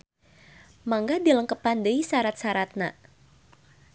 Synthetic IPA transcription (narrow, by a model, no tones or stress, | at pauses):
maŋɡadiləŋkəpandəisaɾat̪̚saɾat̪̚na̰